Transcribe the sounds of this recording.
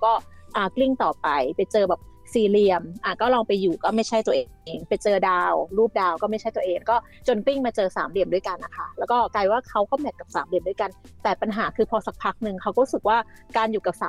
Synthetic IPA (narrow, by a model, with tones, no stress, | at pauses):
kɔː˥˩ʔaː˨˩kli˥˩ŋt̪ɔː˨˩pa˧jpa˧jt͡ɕɤː˧bɛː˨˩p̚ | siː˨˩li˧əmʔaː˨˩kɔː˥˩lɔː˧ŋpa˧jːuː˨˩kɔː˥˩ma˥˩jt͡ɕʰa˥˩jt̪u˧əʔːŋpa˧jt͡ɕɤː˧daː˧wɾuː˥˩p̚daː˧wkɔː˥˩ma˥˩t͡ɕʰa˥˩t̪əʔeː˧ŋkɔː˥˩ | t͡ɕo˧nkli˥˩ŋmaː˧t͡ɕɤː˧sa̰ː˩˦mli˨˩əmdu˥˩jka˧nʔa˦˩kʰa˥˩lɛː˦˥wkɔː˥˩kaː˧jwaː˥˩kʰa˦˥wkɔː˥˩mɛ˨˩ka˨˩p̚saː˩˦mli˨˩əmdu˥˩jka˧nt̪ɛː˨˩pa˧nɦaː˩˦kʰɯː˧pʰɔː˧sa˦k̚pʰa˦˥k̚nɯ˧ŋkʰa˦˥wɾu˦˥sɯ˨˩k̚waː˥˩kaː˧njuː˨˩ka˨˩p̚saː˨˦